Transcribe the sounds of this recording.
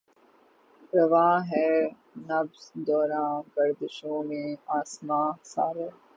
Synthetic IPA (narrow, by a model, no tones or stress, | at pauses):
pɾɐʋaːɦɛː | nɐbzd̪ɔːɾãːkɐɾd̪ɪʃõːmẽaːsmãːsa̰ːɾeː